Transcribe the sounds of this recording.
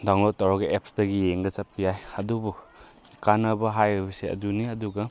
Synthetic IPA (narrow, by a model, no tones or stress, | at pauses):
daŋlɔtawɾaɡɐep̚sdɐɡijeŋɡɐsapijajɐdubu | kanɐbɐɦajbiseɐ̰duniɐduɡɐ